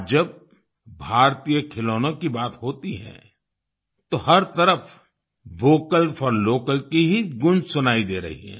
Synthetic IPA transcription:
d͡ʒɐb̚ | bʱaːɾt̪ijəkʰɪloːnõkibaːt̪ɦoːt̪iɦɛ̰̃ː | t̪oɦɐɾt̪ɐɾəf | ʋoːkəlfʰɔɾloːkəlkiɦiɡʊ̃nd͡ʒsʊnaːid̪eːɾɐ̰ɦḭɦɛ̰̃ː

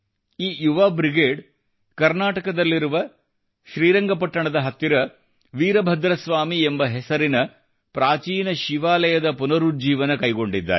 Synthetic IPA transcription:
iːjuʋaːbɾiɡeːɖ | kɐɾnaːʈɐkɐd̪ɐlːiɾuʋɐ | ʃɾiːɾɐŋɡɐpɐʈːɐɳɐd̪ɐɦɐt̪ːiɾɐ | ʋiːɾɐbʱɐd̪ɾɐsʋaːmiembɐɦɛsɐɾinɐ | pɾaːt͡ʃiːnɐʃiʋaːlɐjɐd̪ɐpunɐɾud͡ʒiːʋɐnɐkɐjɡo̞ɳɖid̪ːa̰ːɾe

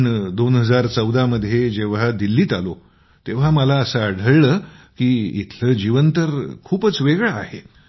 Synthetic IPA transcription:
ɳd̪onɦəd͡zaɾt͡səwd̪aməd̪ʱːjed͡ʑeʋ̤ad̪ilːiːt̪alo | t̪eʋ̤aməlaəsəəɽ̤ʱəɭɭəːkiːḭt̪ʰləːd͡ʑiʋənt̪əɾkʰuːpət͡sʋeɡɭaːɦe

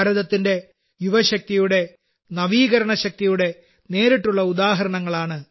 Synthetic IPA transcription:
ɾɐðɐt̪ːinde̞ | juʋɐɕɐk̚t̪ijuɽe̞ | nɐʋiːɣɐɾɐɳɐɕɐk̚t̪ijuɽe̞ | ne̞ːɾiʈːuɭːɐud̪aːɦɐɾɐɳɐŋːɐɭaːɳɨ

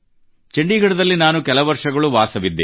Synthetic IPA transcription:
t͡ʃeɳɖiːɡɐɽɐd̪ɐlːinaːnukɛlɐʋɐɾʂɐɡɐɭuʋaːsɐʋid̪ːe

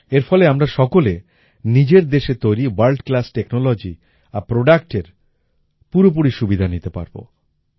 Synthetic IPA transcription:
eɾfɔleamɾaʃɔkole | nid͡ʑeɾd̪eʃet̪ojɾiwalʈklasʈeknolod͡ʑi | apɾoɖakʈeɾ | puɾop̬uɾiʃubid̪ʱanit̪epa̰ɾbo̰

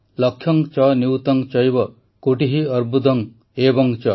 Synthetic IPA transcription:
lɔkʰjɔŋt͡ʃɔniwt̪ɔŋt͡ʃɔjbɔ | koʈiɦiʌɾbud̪ɔŋ | ebɔŋt͡ʃɔ

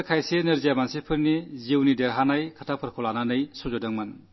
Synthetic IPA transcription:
ɾkʰajsenɯɾzijamansipʰɯɾniziwnideɾɦanajkʰatʰapʰɯɾkʰɔlananɯjsuzodɯŋman

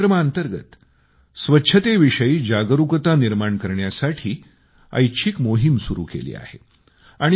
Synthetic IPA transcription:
ɾəmaənt̪əɾɡə̰t̪ | sʋətːɕʰət̪eʋiʂəiːd͡ʑaɡəɾukət̪aniɾmaɳkəɾɳjasaʈʰiː | ə̰jt͡ɕʰikmoɦimsuɾṵːkḛlḭːa̰hḛ | aɽ̃i

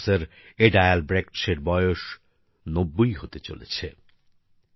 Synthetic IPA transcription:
seɾ | eɖajalbɾekʈʃeɾbɔjoʃ | nobːojɦot̪et͡ɕo̰lḛt͡ɕʰe

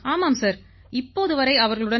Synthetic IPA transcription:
aːmaːmsaːɾ | ɪpːoːðɯʋɐɾɐɪɐʋɐɾɣɐɭɯɽɐn

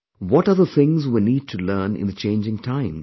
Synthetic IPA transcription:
wɔʈʌðəθɪ̃ŋzwiniːd̚tʰulɜːnɪ̰̃nðət͡ʃʰẽɪ̃nd͡ʒɪ̃ŋtʰãɪ̃m

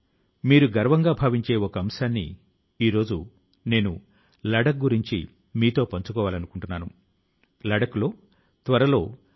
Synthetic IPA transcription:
miːɾuɡɐɾʋɐŋɡaːbʱaːʋiɲt͡ʃe̞ːɔkɐɐmsaːnːḭ | iːɾo̞ːd͡ʒu | ne̞ːnṵ | lɐɽɐk̚ɡuɾiɲt͡ʃḭ | miːt̪o̞ːpɐɲt͡ʃu̥kɔːʋaːlɐnukuɳʈunːaːnu | lɐɽɐkulo̞ː | t̪ʋɐɾɐlo̞ː

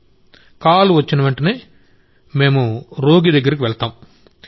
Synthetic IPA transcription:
kaːluʋɐt͡ʃːinɐʋɐɳʈɐneː | me̞ːmuɾo̞ːɡid̪ɐɡːɐɾik̬iʋɛɭt̪aːm

